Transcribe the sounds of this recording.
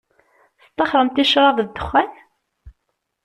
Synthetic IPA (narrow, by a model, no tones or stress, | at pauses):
θt̪ˤːɑχɾˤəmt̪iʃɾˤɑvd̪ːəχːæn